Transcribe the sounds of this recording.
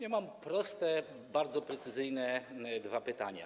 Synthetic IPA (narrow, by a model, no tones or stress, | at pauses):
ɲɛmampɾɔst̪ɛ | baɾd̪zɔpɾɛt̪sɘzɘjnɛd̪vapɘt̪a̰ɲa̰